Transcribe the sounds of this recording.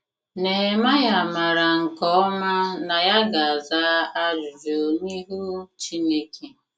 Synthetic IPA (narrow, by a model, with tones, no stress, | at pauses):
ne˨ma˦ja˨ma˨ɾa˨ŋ̩˨kɔ˦ma˦na˨ja˦ɡa˨a˨zaː˦a˦lu˨vo˨ni˦ɦu˦t͡ʃi˦ne˦ke˦